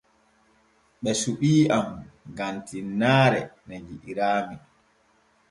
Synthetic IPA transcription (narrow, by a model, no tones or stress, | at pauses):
ɓɛsuɓiːamɡantinːaːɾɛnɛd͡ʒiʔiɾaːmi